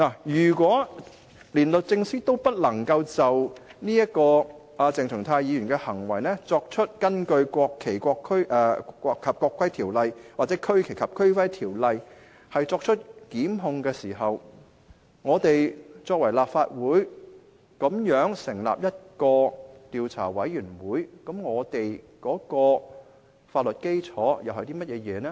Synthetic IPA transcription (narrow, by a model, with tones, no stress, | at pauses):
naː˨˩jyː˨˩kwɔː˨˥ | liː˨˩nlɵ˨t̚t͡sɪ˧ŋsiː˥t̪o˥wpɐ˥t̚lɐ˨˩ŋkɐ˧wt͡sɐ˨wniː˥jɐ˥t̚kɔː˧ʔa˨˧t͡sɪ˨ŋt͡sʰɵ˨˩ŋt̪ʰaː˧jiː˨˧jy˨˩nkɛː˧hɐ˨˩ŋwɐ˨˩jnɛː˥t͡sɔː˧k̚t͡ʃʰɵ˥t̚kɐ˥nkɵ˧ɥkʷɔː˧kʰːe˨˩jkʷɔː˧kʰːɥʔɛ˨˧kʰːɐ˨p̚kʷːɔː˧kʰːwɐ˥jt̪ʰiː˨˩wlɐ˨˧jwaː˨t̚t͡sɛː˨˥kʰɵ˥ɥkʰe˨˩jkʰɐ˨˩p̚kʰɵ˥ɥfɐ˥jt̪ʰiː˨˩wlɐ˨j | hɐ˨jt͡sɔː˧k̚t͡ʃʰɵ˥t̚kiː˨˥mɦʊ˧ŋkɛː˧siː˨˩ɦɐ˨w | ŋɔː˨˧t̪e˨jt͡sɔː˧k̚wɐ˨˩jlaː˨p̚faː˧t̚wuː˨˥j | kɐ˨˥mjœː˨˥ŋsɪ˨˩ŋla̰˨p̚jɐ˥t̚kɔː˧t̪iː˨˧wt͡sʰa̰ː˨˩wɐ˨˥jjyː˨˩nwuː˨˥jkɐ˨˥mŋɔː˨˧t̪e˨j | kɔː˨˥kɔː˧ | faː˧t̚lɵ˨t̚ke˥jt͡sʰɔː˨˥jɐ˨whɐ˨˧t̪iː˥mɐ˥t̚jɛː˨˧jɛː˨˧nɛː˥